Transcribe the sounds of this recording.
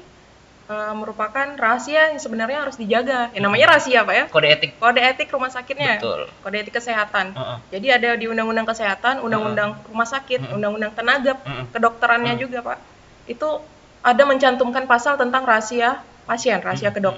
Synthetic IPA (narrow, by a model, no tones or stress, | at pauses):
əməɾupakanrasiasəbənarɲaɦaɾʊsdid͡ʒaɡajaŋnamaɲaɾasiapajakodaet̪ɪk̚ːkodaet̪ɪkrumahsakɪt̪̚ɲatlkodaet̪ɪkːəseɦat̪and͡ʒadiadadiundaŋundaŋkəseɦat̪anundaŋundaŋrumahsakɪt̪̚undaŋundaŋt̪ənaɡap̚kədɔk̚t̪əɾanɲad͡ʒuɡapa̰ʔ | it̪u | ʔadaməɲt͡ʃant̪umkanpasalt̪ənt̪aŋrasia | pasiɛnrasiakədok̚